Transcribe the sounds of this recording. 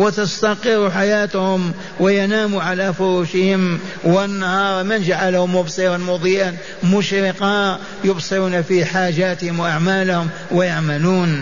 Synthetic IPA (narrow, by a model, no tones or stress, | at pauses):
wɪt̪ast̪aqɪrˤːuħajaːt̪hʊm | wɪjanaːmuʕalafʊɾuːʃɪhɪm | wɪnːahɑːɾˤmɪnʒaʕalhʊmːʊbsˤiɾˤɑnmʊd̪ˤijan | mʊʃɾɪqɑ | jʊbsˤɨɾuːnafiħaːʒaːt̪ɪhɪmwʔaʕmaːlʊhʊm | wɪjaʕmaluːn